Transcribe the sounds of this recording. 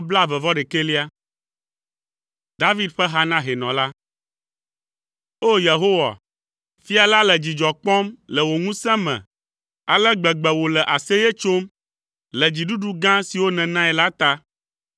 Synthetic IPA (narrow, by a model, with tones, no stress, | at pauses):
bla˦vɛ˨vɔ˦ɖe˨ke˦li˦a˦ | d̪a˦vi˦d̪ɸɛ˦ɦa˦nã˦ɦɛ˨nɔ̃˨la˦ | o˦je˨ɦo˦wa̰˨ | fi˦a˨la˦lɛ˨d͡ʑi˨d͡ʒɔ˨k͡pɔ̃˦mlɛ˨wo˨ŋũ˦sɛ̃˦mɛ̰̃˨ | a˨lɛ˦ɡ͡bɛ˨ɡ͡bɛ˨wo˨lɛ˨ʔa˨se˦je˦t͡ʃo˦m | lɛ˨d͡ʑi˨ɖu˦ɖu˦ɡã˦si˨wo˦nɛ̃˨nã˦ɛ˨la˦t̪a˦